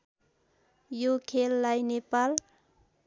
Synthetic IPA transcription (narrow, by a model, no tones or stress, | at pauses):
jokʰelːajnepal